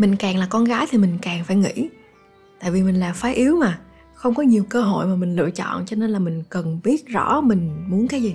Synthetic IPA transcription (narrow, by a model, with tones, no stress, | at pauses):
mï˨˩ŋ̟kaː˨˩ŋlaː˨˩kɔ˧nɣaː˨˦jt̪ʰi˨˩mï˨˩ŋ̟kaː˨˩ŋfaː˧˩jŋḭ˧˥ | t̪a̰ː˧˨jvi˨˩mï˨˩ŋ̟laː˨˩mfaː˨˦ʔi˨˦əwmaː˨˩ | xə˧wŋ͡mkɔ˨˦ɲi˨˩əwkəː˧ɦo̰˧˨jmaː˨˩mï˨˩ŋ̟lɨ̰˧˨ət͡ɕɔ̰˧˨nt͡ɕɔ˧ne˧nlaː˨˩mï˨˩ŋ̟kə˨˩nɓi˦˥ət̚zɔ̰˧˥mï˨˩ŋ̟mu˨˦ənkaː˨˦jzi˨˩